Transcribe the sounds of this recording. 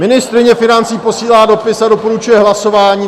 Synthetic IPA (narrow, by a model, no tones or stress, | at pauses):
mɪnɪst̪ɾɪɲɛfɪnant͡siːpo̞siːlaːdo̞pɪsado̞po̞ɾut͡ʃujɛɦlaso̞vaːɲiː